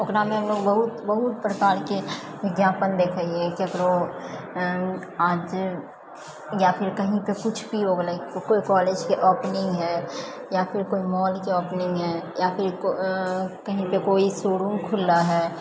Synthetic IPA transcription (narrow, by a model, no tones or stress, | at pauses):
okɾamẽɦəmloːɡbəɦʊt̪bəɦʊt̪̚pɾəkaːɾke | ʋɪɡjaːpənd̪eːkʰaːiekiɐɡəɾoː | aːd͡ʒ | japʰɪɾkɐɦĩpekʊt͡ʃʰbʱiɾoːɡlakokoːikɔːleːd͡ʒkeʔɔːpnɪ̃ŋɡɦɛː | japʰɪɾkoːimɔːlkeɔːpnɪ̃ŋɡɦɛːjapʰɪɾ | kəɦĩpekoːisoːɽũŋkʰʊlaɦɛː